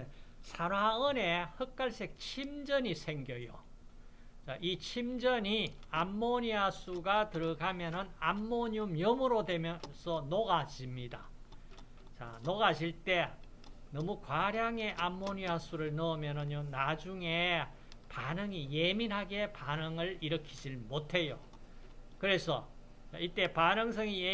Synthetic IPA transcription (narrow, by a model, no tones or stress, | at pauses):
esʰaɾwaɯne̞hɯk̚k͈aɭs͈ʰe̞k̚t͡ɕʰimd͡ʑʌɲisʰe̞ŋɡjʌjo̰ | t͡ɕaʔit͡ɕʰimd͡ʑʌɲiamːoɲiasʰuɡatɯɾʌɡamjʌnɯnamːoɲumjʌmɯɾodwe̞mjʌsʰʌnoɡad͡ʑimɲida̰ | t͡ɕa̰noɡad͡ʑʰiɭt͈e̞ | nʌmukwaɾjaŋe̞ʔamːoɲias͈ʰuɾɯɭnʌmjʌnɯɲonad͡ʑuŋe̞ | panɯŋije̞minɦaɡe̞panɯŋɯɭiɾʌkʰid͡ʑiɭmotʰe̞jo̰ | kɯɾe̞sʰʌ | t͡ɕa̰it͈e̞panɯŋs̬ʰʌŋie